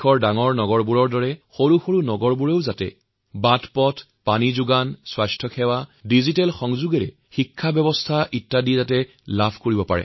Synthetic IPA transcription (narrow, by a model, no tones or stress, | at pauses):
ɔɹdaŋɔɹnɔɡɔɹbuɹɔɹdɔɹɛxoɹuxoɹunɔɡɔɹbuɹeʊzatɛ̰ | batpɔtʰ | panizʊɡanswastʰjɔkʰɛwadizitɛlxɔŋzuɡɛɹɛ̰ | xikʰːabjɛbɔstʰaʔitːadizatɛ | labʱkoɹibɔpa̰ɹɛ̰